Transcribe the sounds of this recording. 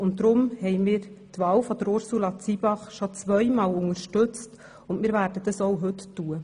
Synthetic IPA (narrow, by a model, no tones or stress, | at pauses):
ʊnt̚d̪ɾʊmhɛɪmiːɾt̪ʋɑːwfɔd̥̪əɾʊɾsulɑt͡sibɑχʃot͡sʋœjmɑːlʊŋəɾʃtɵt͡st | ʊnmɪːɾʋæːɾdəd̥̪ɑsowɦɵttːuə